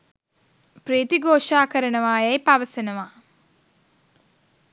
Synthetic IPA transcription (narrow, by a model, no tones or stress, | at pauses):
pɾiːt̪iɡoːʂaːkɐɾɐɳɐʋaːjɐjpɐʋɐsɐnɐʋaː